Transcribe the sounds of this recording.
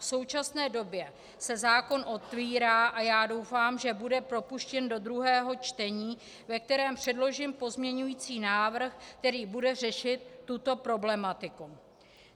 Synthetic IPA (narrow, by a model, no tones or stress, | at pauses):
fso̞wt͡ʃasnɛːdo̞bjɛ | sɛzaːko̞nʔo̞t̪viːɾaːʔajaːdo̞wfaːmʒɛbudɛpɾo̞puʃcɛndo̞d̪ɾuɦɛːɦo̞t͡ʃt̪ɛɲiː | vɛk̚t̪ɛɾɛːmpr̥ɛdlo̞ʒɪmpo̞zmɲɛɲujiːt͡siːnaːvr̩xk̚t̪ɛɾiːbudɛr̝ɛʃɪt̪ːut̪o̞pɾo̞blɛmat̪ɪku